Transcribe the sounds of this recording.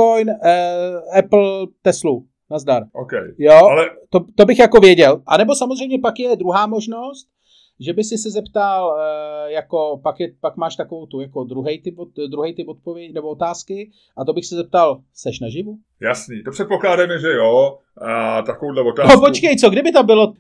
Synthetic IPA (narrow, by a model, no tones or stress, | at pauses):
ojnː | ɛpl̩t̪ɛslu | nazdaɾʔokɛ̰jjoalɛt̪ot̪obɪxjako̞vjɛɟɛlʔanɛbo̞samozrɛjmɲɛpakjɛdɾuɦaːmo̞ʒno̞st̪ | ʒɛbɪsɪsɪzɛpt̪aljako̞pakjɛpakmaːʃt̪akovowt̪ujako̞dɾuɦɛjt̪ɪpodɾuɦɛjt̪ɪpot̪̚povjɛcnɛboot̪aːskɪ | ʔat̪o̞bɪxsɪzɛp̚t̪al | sɛʃnaʒɪvu | jasɲiːt̪opr̥ɛt̪̚poklaːdamɛʒɛjo | at̪akovowdlɛvot̪aːopot͡ʃkɛjt͡soɡdɪbɪt̪ambɪlo